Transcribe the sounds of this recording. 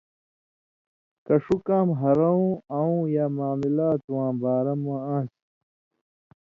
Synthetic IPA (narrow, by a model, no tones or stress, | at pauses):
kɐʂukãːmɦɐɾɐũːɐwũːjaːmaːmilaːt̪wãːbaːɾɐmãːãːs